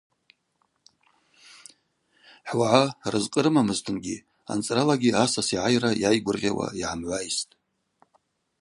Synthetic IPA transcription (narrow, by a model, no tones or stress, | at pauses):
ħwaʕarɨzqʼəɾɨmamɨztʰɨnɡʲi | a̰nt͡sʼralaɡʲiasasiʕajrajajɡʷʊrʁʲa̰wa̰iʕamʕʷajistʼ